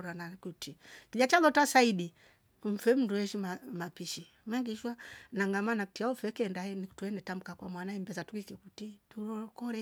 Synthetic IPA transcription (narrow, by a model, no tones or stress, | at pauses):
ɾanakutikiʄat͡ʃalɔtasaiɗi | m̩fɛm̩nduɛʃimamapiʃi | maŋɡiʃwanaŋɡamanaktiaɔfɛkɛndaɛnituɛndɛtam̩kakwamwanaim̩bɛzatukikikutituɾɔkɔɾɛ